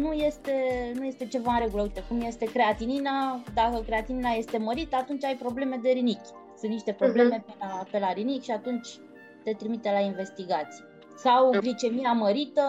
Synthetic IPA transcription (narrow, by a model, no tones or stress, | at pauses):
nuje̞st̪e̞nujest̪e̞t͡ʃe̞vaɨnɾe̞ɡuləuijt̪ekumje̞st̪e̞kɾe̞at̪ininad̪akəkɾe̞at̪ininaje̞st̪e̞məɾit̪əat̪unt͡ʃʲajpɾo̞ble̞me̞d̪e̞ɾinikʲ | sɨnt̪niʃt̪e̞pɾo̞ble̞me̞pelape̞laɾinikʲʃiat̪unt͡ʃʲ | t̪e̞t̪ɾimit̪elainve̞st̪iɡat̪sij | sawɡlit͡ʃe̞miaməɾit̪ə